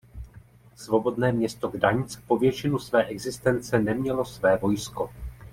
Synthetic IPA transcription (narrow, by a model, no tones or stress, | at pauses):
svo̞bo̞dnɛːmɲɛst̪o̞ɡdaɲt͡spo̞vjɛt͡ʃɪnusvɛːʔɛɡzɪst̪ɛnt͡sɛnɛmɲɛlo̞svɛːvo̞jsko̞